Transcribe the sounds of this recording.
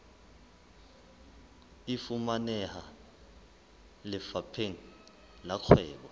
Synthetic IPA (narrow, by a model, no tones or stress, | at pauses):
ifumanɛha | lɛfapʰeŋ | lakʰwɛːɓɔ